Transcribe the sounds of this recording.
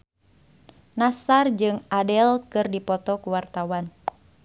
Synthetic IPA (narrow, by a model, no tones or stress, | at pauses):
nasard͡ʒɨŋadɛlkɨrdipɔt̪ɔkuwart̪awan